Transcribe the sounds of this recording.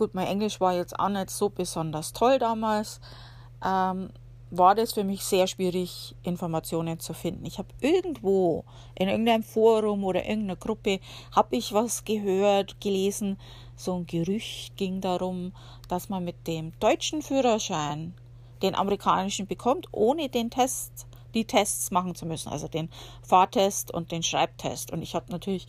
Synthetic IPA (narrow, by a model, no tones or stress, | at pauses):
ɡ̥uːtmaɪnʔɛŋlɪʃv̥aːɐjɛt͡sta̰ʊxnɛtz̥oːbəzɔndɐstʰɔldaːmaːls | ʔɛm | vaːɐdasfyːɐmɪçz̥eːɐʃv̥iːʁɪçʔɪnfɔɐmat͡sjoːnənt͡sufɪndn̩ɪçhaːb̥ʔɪɐɡŋ̩tv̥oː | ʔɪnʔɪɐɡŋ̩tʔaɪnmfoːɐʁʊmoːɾɐ̰ʔɪ̰ɐɡŋ̩tnɐɡʁʊpə | haːbɪçvasɡ̥əɦøːɐtɡ̥əleːzn̩ | z̥oːnɡ̥əʁʏçtɡ̥ɪŋdaʁʊm | d̥asmanmɪt̚d̥eːmd̥ɔʏt͡ʃn̩fyːʁɐʃaɪn | d̥eːnʔa̰məʁikʰa̰ːnɪʃn̩bəkʰɔmtʔoːnədeːntʰɛst | d̥iːtʰɛst͡smaχn̩t͡sumʏsn̩ʔa̰lzod̥eːn | faːɐtʰɛstʊ̰nt̚d̥eːnʃʁ̥a̰ɪp̚tʰɛ̰stʊ̰ntɪçhaːbnatʰyːɐlɪç